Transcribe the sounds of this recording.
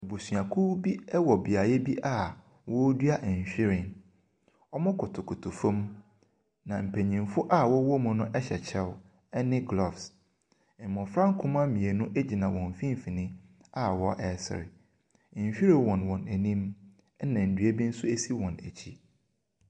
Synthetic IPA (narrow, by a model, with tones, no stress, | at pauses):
e˨bu˨sɥa˨kʰu˦bi˦ɛ˦wɔ˨bɪ˨a˨jɛ˦bi˦ʔa˦ | wɔ˦dɥa˦ʔɲ˨ɕᶣɪ˦ɾɪ˨n | ɔ˦mʊ̃˦kʰʊ˨tʰʊ˨kʰʊ˨tʰʊ˨fõ˦m | nã˨m̩˨pʰæ̃˨ɲĩ˨mfʊ˦ʔa˦˨wɔ˦wɔ˦mʊ̃˨nʊ̃˦ʔɛ˦ɕɛ˨t͡ɕʰɛ˦w | ɛ˦nɪ̃˦ɡlɔ˦˨fs | mɔ̃˨fɾã˦ŋ˦kʰʊ̃˦mã˦mĩ˨e˨nʊ̃˦ʔe˦d͡ʑi˨nã˨wɔ̃˨ɱ˨fĩ˦m˦fi˨nɪ̃˦ | a˦wɔ˦ʔɛ˨sɪ̰˨ɾɪ̰˨ | ɕᶣi˦ɾɪ˨wɔ̃˨nwɔ̃˨næ˨nĩ˦m | ɛ˦nã˨n̩˨dɥe˦bi˦n̩˦sʊ˦e˦si˦wɔ̃˨næ˨t͡ɕʰi˦